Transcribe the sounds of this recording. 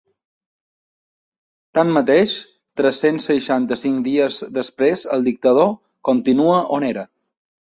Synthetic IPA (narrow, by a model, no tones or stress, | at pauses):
t̪amːət̪eʃ | t̪ɾəsːensːəʃant̪əsiŋkd̪iəzðəspɾezəlˠd̪ik̚t̪əð̞o | kont̪inuəʔoneɾə